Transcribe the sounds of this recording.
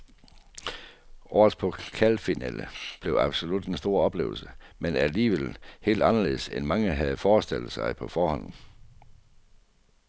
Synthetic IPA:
ʔɒ̰ːðˠpʰɒ̽kʰælfinɛ̰ːləb̥le̝ʊɑ̈b̥so̝lud̥ensd̥o̝ɐ̰ɒ̽b̥le̝̰ːʊl̩səmenæliːʋel̰he̝̰ːld̥ɑ̈nɐle̝ð̰ˠsenmɑ̈ŋəɦæð̞̩ˠfɒːsd̥el̰ð̥̩sɑ̈ɪpʰɒ̽fɒːhɒ̽n̰n̩

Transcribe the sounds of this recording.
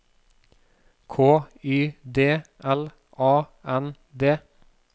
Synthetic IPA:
kʰoːyːd̪eːʔɛl | ʔɑːʔɛn | d̪eː

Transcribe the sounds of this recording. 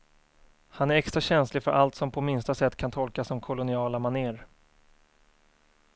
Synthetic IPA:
hanæɾɛkst̪ɾaɕɛnslɪɡfœɾʔalt̪sɔmpʰɔmɪnst̪asɛt̪ːkʰant̪ʰɔlkasɔmkʰʊlʊnɪɑːlamaneːɾ

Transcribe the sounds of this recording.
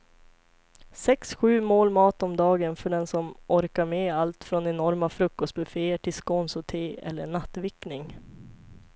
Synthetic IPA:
sɛksɧʉ̟ːmoːlmɑːt̪ɔmd̪ɑːɡənfœɖɛnsɔmʔɔɾkaɾmeːalt̪fɾɔnɛnɔɾmafɾɵkːɔst̪̚bɵfeːəʈʰɪlskɔnsɔt̪ʰeːɛ̰lːəɳat̪ːvɪknɪŋ

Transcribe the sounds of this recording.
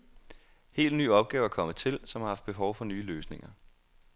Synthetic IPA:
he̝̰ːld̥ny̰ːɒ̽b̥̚ɡ̥ɛːʊæɐkʰɒ̽mət͡sʰe̝lsɒ̽mhɑ̈hɑ̈fd̥̚b̥e̝ɦɒʊfɒ̽nyːløːsne̝ŋɐ

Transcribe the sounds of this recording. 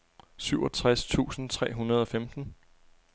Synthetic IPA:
syʊɒ̽t͡sʰʁast͡sʰṵːsn̩t͡sʰʁɛ̰ːɦunɐð̞ˠɒ̽femd̥n̩

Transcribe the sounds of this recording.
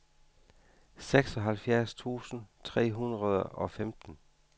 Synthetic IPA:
seɡ̥sɒ̽ɦælfjæɐst͡sʰṵːsn̩t͡sʰʁɛ̰ːɦunʁɐð̞ˠəɒ̽femd̥n̩

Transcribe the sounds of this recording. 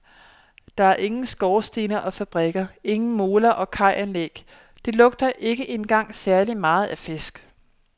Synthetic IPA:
d̥ɑ̈æɐʔe̝ŋn̩sɡ̥ɒːsd̥inɐʔɒ̽fæb̥ʁɛɡ̥ɐe̝ŋn̩mo̝ːlɐʔɒ̽kʰɑ̈ɪʔænleɡ̥ | d̥e̝lɔ̽ɡ̥̚d̥ɐʔe̝ɡ̥əʔe̝nɡ̥ɑ̈ŋ̰sæɐlimɑ̈ːð̞̩ˠæfe̝sɡ̥

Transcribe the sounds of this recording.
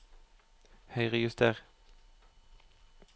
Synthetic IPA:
hœʏʁəjʉst̪ʰeːʁ

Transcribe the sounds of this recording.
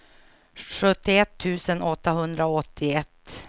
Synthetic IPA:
ɧɵt̪ːɪɛt̪ʰːʉ̟ːsənɔt̪ːaɦɵnd̪ɾaoɔt̪ʰːɪɛt̪ː

